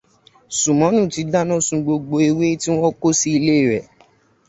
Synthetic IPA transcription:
su˨mɔ̃˨˦nũ˦˨ti˨˦da˦nɔ̃˦˨sũ˧ɡ͡bo˧ɡ͡bo˧e˧we˦ti˦w̃ɔ̃˦ko˦si˦i˧le˦i˦˨ɾɛ˨

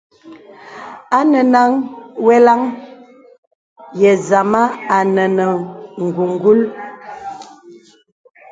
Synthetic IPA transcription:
a˦nə˨na˦ŋwɛ˦la˦ŋ | jɛ˨za˨ma˦a˨nə˨nə˨ŋ̩˨ɡu˨ŋ˦ɡu˦l

